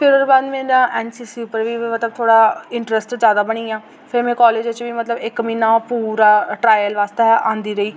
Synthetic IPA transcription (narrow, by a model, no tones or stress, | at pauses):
pʰɪɾoːɾbaːd̪mɛ̃ːɾãːʔɛːnsiːsipəɾʋiːmət̪ləb̚t̪ʰoːɽaːɪɳʈɾɛsʈzjaːd̪aːbəɽ̃iːaː | pʰɪɾmɛ̃ːkɔːleːd͡ʒt͡ʃʋiːmət̪ləbɪkmĩːnaːpuːɾaːʈɾaːjəlʋaːst̪eʔãːnd̪iːɾəiː